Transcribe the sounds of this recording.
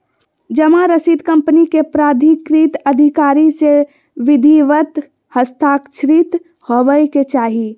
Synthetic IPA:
d͡ʒɐmãɾəsiːd̪kɐ̃mpənikepɾaːd̪ʱikɾit̪ɐd̪ʱikaːɾise | ʋɪd̪ʱiʋət̪ | həst̪ʰaːkʃɾit̪ | hoʋəjket͡ʃaːɦi

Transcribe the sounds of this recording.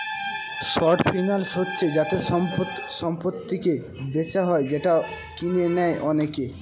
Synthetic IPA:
ʃɔɾʈfʰijnalʃotːɕʰed͡ʑat̪e | ʃɔmpot̪ːike | bet͡ɕaɦɔed͡ʑeʈa | kimenɛeʔɔneke

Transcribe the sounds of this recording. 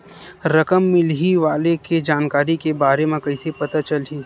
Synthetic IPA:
ɾɐkəmːɪlɦiʋaːleked͡ʒaːnkaːɾikebaːɾemẽkɐisepɐt̪at͡ʃɐlɦiː

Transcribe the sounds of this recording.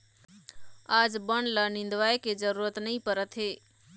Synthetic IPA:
aːd͡ʒbəɳlanɪ̃nd̪ʋaːeked͡ʒəɾuːɾət̪nəɦĩpəɾət̪ɦeː

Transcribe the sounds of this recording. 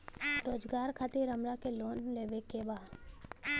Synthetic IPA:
ɾoːd͡ʒɡaːɾkʰat̪iɾəmɾakeloːnleːʋekebaː

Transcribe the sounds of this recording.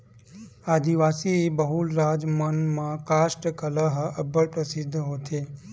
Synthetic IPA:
ad̪iʋasiebəɦulɾad͡ʒmənmãkasʈkəlaɦəbʱəɭpɾəsid̪ʱːɦot̪ʰe

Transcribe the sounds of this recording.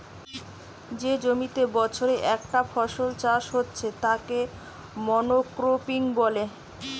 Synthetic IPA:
d͡ʑed͡ʑomit̪ebɔt͡ɕʰoɾeʔɛkʈafʰɔʃolt͡ɕaʃɦotːɕʰet̪ake | mɔnokɾopiŋbɔle

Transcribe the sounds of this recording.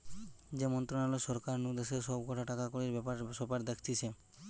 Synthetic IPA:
d͡ʒemɔnt̪ɾɔnalosɔɾkaɾnud̪eseɾsɔbɡɔʈʰaʈakakoɽiɾbɛpaɾsɔpaɾd̪ekʰt̪it͡ʃʰe

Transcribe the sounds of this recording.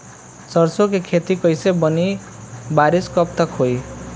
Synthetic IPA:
sʌɾsokekʰet̪ikʌjsebʌni | baɾiskʌp̚t̪ʌkɦoj

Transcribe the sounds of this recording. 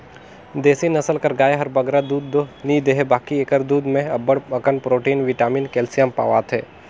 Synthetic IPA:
d̪eːsinɐsəlkəɾɡaːeɦɐɾbɐɡɾad̪uːd̪ːonid̪eɦebaːkieːkəɾd̪uːd̪mẽɐbəɽɐkənpɾoːʈiːnʋɪʈaːmiːnkɛːlsijaːmpa̰ːʋaːt̪ʰɦɛ̰ː

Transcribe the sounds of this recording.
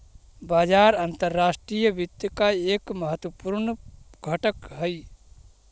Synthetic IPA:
baːd͡ʒaːɾant̪əɾːaːsʈɾijəbid̪jəkaekməɦət̪wəpuɾnɡʱəʈəkɦəj

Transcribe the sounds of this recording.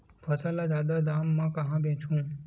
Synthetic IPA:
pʰəsalad͡ʒaːd̪ad̪aːmːãːkəɦãːbʱẽːt͡ʃʰũː

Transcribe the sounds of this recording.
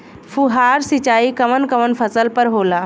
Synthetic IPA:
fʰuɦaːɾsit͡ʃaːikəmənkəmənpʰəsəlpəɾɦoːlaː

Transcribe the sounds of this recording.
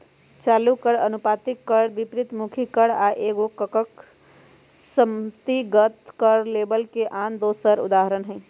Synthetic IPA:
t͡ʃaːlukəɽənupat̪ikːəɽbipɾit̪mukʰikəɽaʔeɡokəkək | səmt̪iɡət̪kəɾlebəlkeʔand̪osəɾṵd̪aɦəɾənɦɛ̃

